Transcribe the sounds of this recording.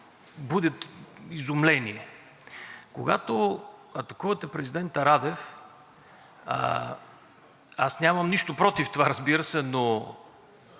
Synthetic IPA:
bud̪ɛt̪izʊmlɛniɛ | koɡa̰t̪oɐt̪ɐkuvɐt̪ɛpɾɛzid̪ɛnt̪ɐɾad̪ɛf | a̰snʲamɐmniʃt̪opɾɔt̪ift̪ovaɾɐzbiɾəsɛno

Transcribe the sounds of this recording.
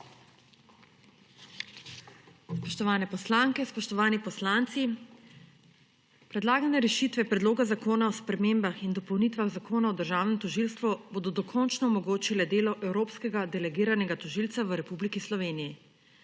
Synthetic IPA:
spɔʃt̪ɔʋaːnɛpɔslaŋkɛspɔʃt̪ɔʋaːnipɔslaːnt̪si | pɾɛd̪laːɡanɛɾɛʃit̪ʋɛpɾɛd̪loːɡazakoːnaɔspɾɛmeːmbaxind̪ɔpɔwnit̪ʋaɣzakoːnaɔd̪əɾʒaːwnɛmt̪ɔʒilst̪ʋuboːd̪ɔd̪ɔkʰɔnt͡ʃnɔɔmɔɡoːt͡ʃilɛd̪eːlɔʔɛwɾoːpskɛɡad̪ɛlɛɡiːɾanɛɡat̪ɔʒilt̪saʋəɾɛpublikislɔʋeːniji

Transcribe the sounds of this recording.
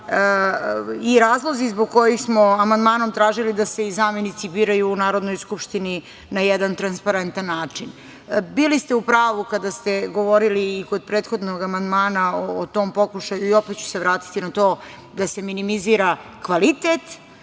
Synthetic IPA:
iɾaːzlˠo̞zizboɡ̚ko̞jixsmo̞amand̪maːno̞mt̪ɾaːʒilid̪ase̞izaːmjenit̪sibiːɾajuːnaːɾo̞d̪no̞jskupʃt̪ini | najɛd̪ant̪ɾanspaɾent̪anːaːt͡ʂin | bilist̪eupɾaːʋukad̪ast̪e̞ɡo̞ʋo̞ɾiliːko̞d̪̚pɾeːt̪xo̞d̪noɡamand̪maːnaoːt̪o̞ːmpo̞kuʃajuio̞pet̪̚t͡ɕu̥seʋɾaːt̪i̥t̪inat̪o̞ː | d̪ase̞minimiziːɾakʋalit̪et̪

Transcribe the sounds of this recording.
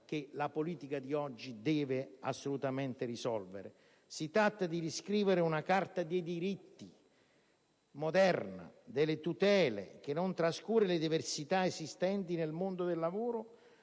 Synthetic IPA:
k̟elapoliːt̪ikad̪iɔd͡ʒːid̪ɛːvɪa̰sːolut̪amɛnt̪ɪrisɔlvḛɾḛ | sit̪ɾat̪ːad̪id̪iskɾiːveɾɪunakart̪ad̪ejd̪iɾit̪ːi | mod̪ɛrna̰d̪ɪlːɪt̪ut̪ɛːlḛk̟enːont̪ɾaskuːrelɪd̪iversit̪aezist̪ɛnt̪inelmond̪od̪elːavoːɾʊ

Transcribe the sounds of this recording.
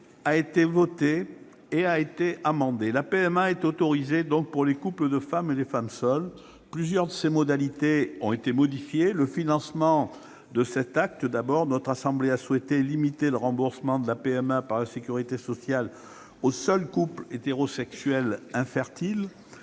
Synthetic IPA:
aet̪evɔt̪eː | aet̪eʔamɑ̃d̪elapeɛmaɛt̪ot̪ɔʁized̪ɔ̃k̚puʁlekupləd̪əfamelefamsœl | plyzjœʁd̪əsemɔd̪alit̪eɔ̃et̪emɔd̪ifjeləfinɑ̃smɑ̃ | d̪əsɛt̪ak̚t̪əd̪abɔʁnɔt̪χasɑ̃bleaswɛt̪elimit̪eləʁɑ̃buʁsəmɑ̃d̪əlapeɛmapaʁlasekʲyʁit̪esɔsjal | osœlkuplet̪eʁɔsɛksɥɛlɛ̃fɛʁt̪il

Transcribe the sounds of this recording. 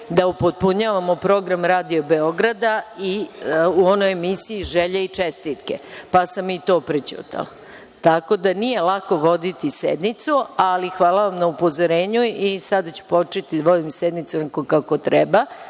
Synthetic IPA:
d̪aupod̪̚puɲaʋamo̞pɾo̞ɡɾamɾaːd̪iobeo̞ɡɾad̪aiuonojemisiiʒeʎeit͡ʂest̪it̪kḛpasamit̪o̞ːpɾet͡ɕṵt̪ʰa̰la | t̪ako̞d̪anije̞lako̞ʋo̞d̪it̪ised̪nit̪sualixʋaːlaʋamnaupo̞zoɾeːɲuisad̪at͡ɕu̥po̞t͡ʃet̪id̪aʋo̞d̪imsed̪nit̪sunakokako̞t̪ɾɛba

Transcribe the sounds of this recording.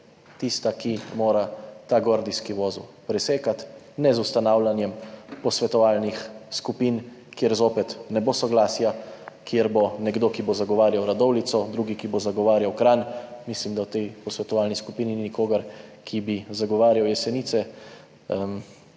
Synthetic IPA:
t̪ist̪akimoːɾat̪aɡoɾd̪iskiʋoːzṵpɾɛseːkat̪ | nɛzust̪anaːwlanjɛmpɔsʋɛt̪ɔʋaːlnixskupiːn | kjeɾzoːpɛt̪nɛbosɔɡlaːsjakjeɾbonɛɡd̪okibozaɡɔʋaːɾjawɾad̪ɔwlit̪sɔd̪ɾuɡikibozaɡɔʋaːɾjawkɾaːnmislimd̪awt̪ɛjpɔsʋɛt̪ɔʋaːlniskupiːnininikoːɡaɾkʰibizaɡɔʋaːɾjawjɛsɛniːt̪sɛ

